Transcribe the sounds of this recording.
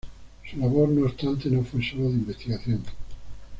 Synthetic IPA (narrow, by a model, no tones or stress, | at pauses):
sulaβoɾnoest̪ant̪enofwesoloðeimbest̪iɣaθjoŋ